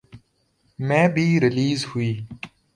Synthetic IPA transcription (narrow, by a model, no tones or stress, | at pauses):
mẽːbʱiɾɪliːzhuiː